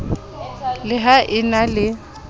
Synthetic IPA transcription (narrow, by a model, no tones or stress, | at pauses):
lɪɦaʔɪnalɪ